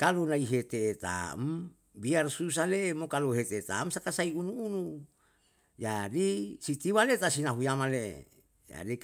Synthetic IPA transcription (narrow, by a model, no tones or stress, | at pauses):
kalunaiɦet̪eːt̪a̰m | biarsus̬alemokaloɦet̪et̪a̰msakasaiunuːnu | d͡ʒadisit̪iwalet̪asinaɦujamale | d͡ʒa̰di